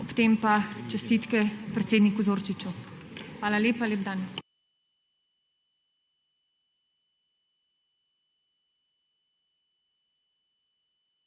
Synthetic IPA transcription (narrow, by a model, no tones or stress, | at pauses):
ɔpt̪empat͡ʃɛst̪it̪kɛpɾɛt̪seːd̪nikuzoːɾt͡ʃit͡ʃuxʋaːlaleːpaleːb̚d̪an